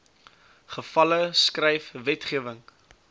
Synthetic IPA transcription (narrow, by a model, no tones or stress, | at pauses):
χəfɐləskrɛjfvɛtχiəvəŋ